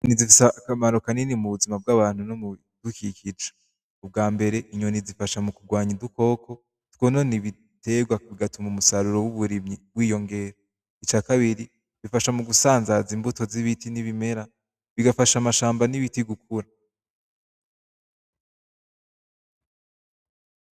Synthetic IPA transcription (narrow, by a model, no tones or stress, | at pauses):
nizifisakamaɾo̞kaninimuβuzimab̚ɡaβaːn̥unomu | dukikit͡ʃo̥e | ub̚ɡaːmbe̞ɾe̞ʔiɲonizifaʃamukuɡwaːɲiduko̞ːkʰo̞ | twononiβi | te̞ɡwaβiɡatumumusaɾuɾo̞wuβuɾimɲiβ̥wiːjo̞ŋɡe̞ɾo | it͡ʃaːkaβiɾi | βifaʃamuɡusaːnzazimbuto̞ziβitʰiniβime̞ɾa | βiɡafaʃamaʃaːmbaniβitiɡukʰuɾa